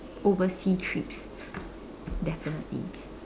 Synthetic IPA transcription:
ovəsitʰɹips | dɛfinə̰tlḭ

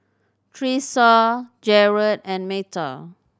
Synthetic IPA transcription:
tʰɹisɔd͡ʒɛɹədɛ̃nmetə

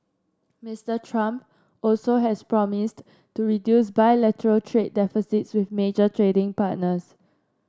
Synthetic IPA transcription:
mistətʰɹãmp | ɔlsoɦɛspɹɔmɪs | tuɹidjus̬baɪlɛtəɹəltʰɹed̚ːɛfisitswɪθmed͡ʒətʰɹedɪ̃ŋpat̚nəs

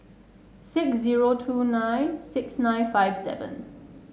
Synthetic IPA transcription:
sɪksziɹotʰuːnãɪ̃nsɪksnãɪ̃nfaɪv̥sɛ̰və̰̃n

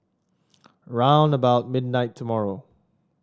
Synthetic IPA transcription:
ɹãʊ̃nəbaʊt̚mɪdⁿnaɪtʰəmɔɹoʊ

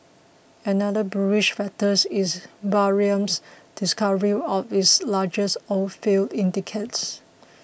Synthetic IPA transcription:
ɛnadəbɹuiʃfɛtəsisbaɹiə̃msd̥ɪskavəɹiɔfitslad͡ʒəsɔfeldĩntikʰets

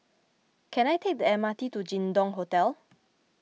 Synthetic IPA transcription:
kʰɛ̃najtʰek̚dəɛmatitud͡ʒĩndɔ̃ŋɦotɛl

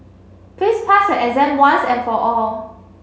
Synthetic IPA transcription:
tispʰasəʔɛzɛ̃nwãnsɛ̃nfɔʔɔl

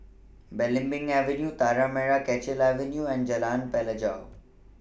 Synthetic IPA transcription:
beːlɪ̃mbɪ̃ŋɡɛːʋenjut̪aːɾameːɽakɛːt͡ɕɪlɛːʋenjuɛ̃ːnd͡ʑɐlaːnpɛːləd͡ʑaːo

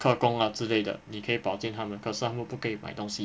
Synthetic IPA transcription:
kʰɤkʊŋət͡sɹ̩leɪd̪ə̰nikʰɤipɑʊt͡ɕjɛnt̪ʰamənkʰəsmupukʰɤimaɪt̪oŋɕi

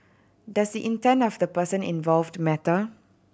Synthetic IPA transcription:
dasdiʔĩntɛ̃nɔfdəpəsə̃nḭ̃nvɔlvdmɛtə

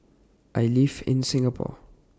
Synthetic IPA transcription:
ʔajlivɪ̰̃nsɪ̃ŋapʰɔ̰

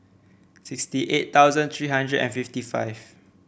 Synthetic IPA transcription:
sɪkstiʔett̪awzə̃nt̪ʰɹiːɦãndɹədɛ̰̃nfiftifa̰ɪv

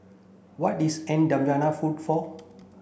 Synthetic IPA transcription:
wɔt̚isɛ̃ndãmd͡ʒanafudfɔ

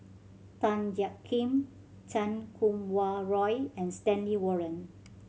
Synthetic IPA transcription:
tãnd͡ʒakʰːĩm | t͡ʃãnkʰũmwaɹɔjɛ̃nstɛ̃nliwɔɹə̃n

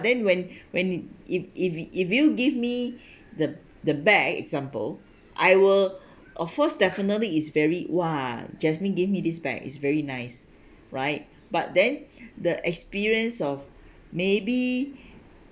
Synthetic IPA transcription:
dɛ̃nwɛ̃nwɛ̃nifififjuɡivmi | də | dəbɛkɛ̰kzãmpə̰l | ʔajwiəl | ʔɔfkɔsdɛfənətliːtsvɛɹiwad͡ʒɛsmĩnɡevmidis̬bɛ̰kḭtsvɛɹinaɪs | ɹaɪt̚ | b̥at̚dɛ̃ndəʔɛkspiɹiə̃nsɔf | mebi

